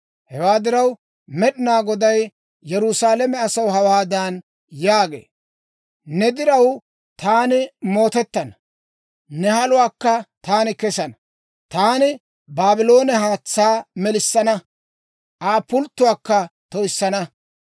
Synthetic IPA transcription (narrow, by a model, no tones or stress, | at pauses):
hɛwaːd̪ɪɾɐw | mɛɗɪnaːɡɔd̪ɐj | jɛɾʊsaːlɛmɛɐsɐwɦɐwaːd̪aːn | jaːɡḛː | nɛd̪ɪɾɐw | t̪aːnɪmo̞ːt̪ɛt̪ːɐn | nɛhɐlʊwaːkːɐt̪aːnɪkɛsɐnɐ | t̪aːnɪ | baːbɪlo̞ːnɛɦaːt͡sːaːmɛlɪsːɐnɐ | ʔaːpʊlt̪ːʊwaːkːɐt̪ɔɪsːɐnɐ